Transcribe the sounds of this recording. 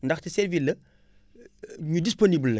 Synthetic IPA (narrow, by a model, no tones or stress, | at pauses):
ndɐxtisɛɾvilɐ | ɲudisponiblːɐ